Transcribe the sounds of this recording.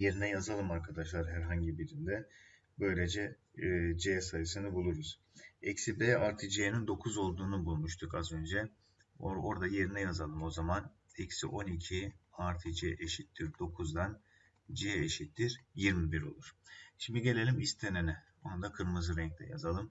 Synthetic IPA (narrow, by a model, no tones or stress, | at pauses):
je̞ɾinɛjazalˠɯmaɾkʰad̪aʃlˠaɾɦæɾɦaɲɟibiɾind̪ɛ | bø̞jlʲe̞d͡ʒɛː | d͡ʒeɛsajɯsɯnɯbulˠuɾuz̥ | ɛcsibeaɾt̪ʰid͡ʒijenind̪o̞kʰuzo̞lˠd̪uːnubulˠmuʃt̪ʰukazø̞nd͡ʒɛ | oɾo̞ɾd̪aje̞ɾinɛjazalˠɯmo̞zaman | ɛcsḭʔo̞nicʰiaɾt̪ʰid͡ʒɛʔeʃit̪ːiɾd̪o̞kʰuzd̪an | d͡ʒijɛeʃit̪ːiɾjiɾmibiɾo̞̰lˠuɾ̥ʃimd̪iɟe̞lʲe̞lʲimist̪ʰenenɛbonund̪akʰɯɾmɯzɯɾɛɲc̚t̪ʰʲɛ̰ja̰zalˠɯm